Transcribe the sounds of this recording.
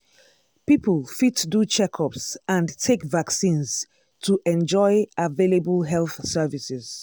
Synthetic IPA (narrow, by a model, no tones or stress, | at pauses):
pipəlfitdut͡ʃʰɛkʰɔpsãntʰekvaksĩnz | tʰuʔɛ̃nd͡ʒɔɪʔavelebəlɦɛlˠθsɛvisɪz̥